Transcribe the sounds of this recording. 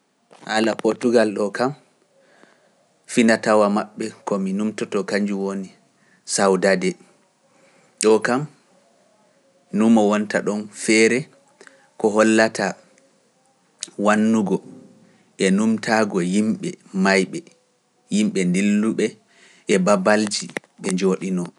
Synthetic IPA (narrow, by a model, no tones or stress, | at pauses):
halapɔɾtuɡalɗɔkam | finatawamaɓːɛkɔminumtɔtɔkaɲd͡ʒuwoni | sawdadɛ | ɗɔkam | numɔwɔntaɗɔnfɛɾɛ | kɔɦɔlːatʰa | wanːuɡɔ | ʔɛnumtʰaɡɔjimɓɛ̰majɓɛ | jimɓɛndilːuɓɛ | ʔɛbabald͡ʒi | ɓɛɲd͡ʒoɗinɔ